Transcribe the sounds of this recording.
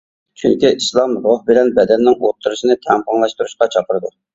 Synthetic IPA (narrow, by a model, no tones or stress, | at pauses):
t͡ʃʰyŋkʲiʔislˠɑmɾohbɪlɛnbɛd̪ɛnːɪŋot̪ʰːuɾɨʃinɪt̪ʰɛŋqɑŋlˠɑʃt̪uɾuʃqɑt͡ʃʰɑpəɾɨd̪u